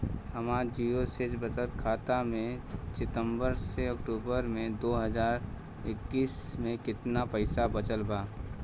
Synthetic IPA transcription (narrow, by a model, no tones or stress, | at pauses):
həmaːd͡ʒiosed͡ʒbət̪əlkʰaːt̪amẽsɪt̪ə̃mbəɾseəkʈuːbəɾmẽd̪oːɦəd͡ʒaːɾ | ɪkːiːsmẽkɪt̪napəɪsabət͡ʃəlbaː